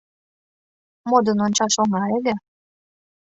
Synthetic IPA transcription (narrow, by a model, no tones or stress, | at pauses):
mod̪ənonʲt͡ɕɑʃoŋɑelʲe